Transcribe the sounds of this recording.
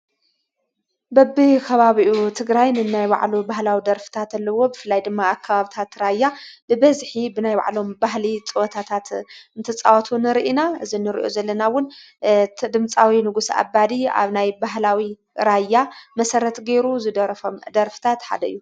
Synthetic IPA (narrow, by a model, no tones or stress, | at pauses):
bɐbikʰɐβaβiʔut̪ʰɨɡɾajnɨnajba̰ʕlubaɦlawid̪ɐɾfɨ̥t̪ʰat̪alːɐwo̞bɨfɨlːajd̪ɨmːaːkʰːaβaβit̪ʰat̪ɾajːabɨbɐzħibɨnajba̰ʕlo̞mbaɦlit͡sʼɨwɐt̪ʰat̪ʰat̪ɨnt̪ʰɨt͡sʼa̰wɔt̪ʰunɨɾʔinaɨzinɨɾḭʔo̰zɐlːɐnawʊn | d̪ɨmt͡sʼawinɨɡusa̰bad̪ia̰βnajbaɦlawi | ɾajːamɐsɐɾɐt̪ɡeɾuzɨd̪ɐɾɐfomd̪ɐɾfɨ̥t̪ʰat̪ħa̰d̪ɐʔɨ̰jːu